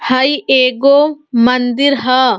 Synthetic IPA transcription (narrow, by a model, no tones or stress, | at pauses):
hɐieːɡoːmɐnd̪ɪɾɦɐ